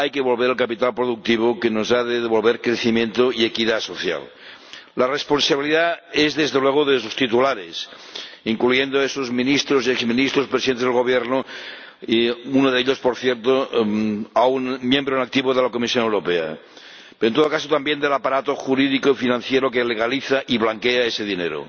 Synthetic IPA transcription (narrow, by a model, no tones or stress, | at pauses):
ajkeβolβeɾalkapit̪alpɾoðuk̚t̪iβ̞okenozaðeðeβolβeɾkɾeθimjent̪oiekiðasoθja̰lː | aresponsaβiliðaezðezðelweɣ̞oðesost̪it̪ulaɾes | iŋklujend̪oesozmĩnist̪ɾoziekzmĩnist̪ɾospɾesiðent̪ezðelɣo̞β̞jeɾno | unoðeʎospoɾθjeɾt̪o | aunmjembɾonak̚t̪iβoðelakomisjonewɾopea̰ | peɾoent̪ookasot̪ambjend̪elapaɾat̪oxuɾiðikoifinãn̟θjeɾokeleɣ̞aliθaʔiβlaŋkeaeseðinḛɾo̰